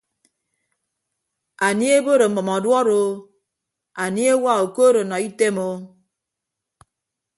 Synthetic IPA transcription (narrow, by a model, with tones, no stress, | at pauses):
a˨ni˦e˦bo˦ɾe˨m̩˨bɔ˨mɔ˨dwɔ˦ɾo˦ | a˨ni˦e˦wa˦o˨ko˦ɾo˨nɔ˨i˦te˦mo˦